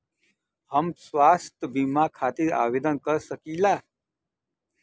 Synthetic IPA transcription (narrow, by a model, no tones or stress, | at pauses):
həmswaːst̪əbiːmakʰaːt̪iɾa̰ːʋeːd̪ənkəɾsəkiːlaː